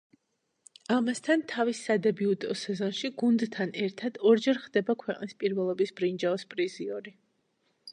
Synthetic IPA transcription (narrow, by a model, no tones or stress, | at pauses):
amast̪ʰant̪ʰavisːad̪ɛbiud̪ɔsɛzɔnʃiɡund̪t̪ʰːanɛɾt̪ʰad̪̥ɔɾd͡ʒɛɾχd̪ɛbakʰwɛqʼnispʼiɾvɛlˠɔbisb̥ɾind͡ʒaɔspʼɾiziɔɾi